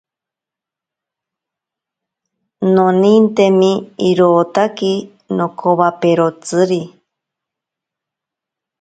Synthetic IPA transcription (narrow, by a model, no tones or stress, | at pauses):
nonint̪emiiɾoːt̪aki | nokʰoβapeɾot͡sɨɾi